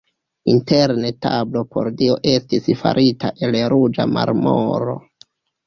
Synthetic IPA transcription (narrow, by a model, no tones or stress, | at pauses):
inteɾnetablo̞po̞̰ɾdio̞ʔe̞stisfa̰ɾʔita̰ʔe̞lɾud͡ʒamaɾmo̰ɾo̞̰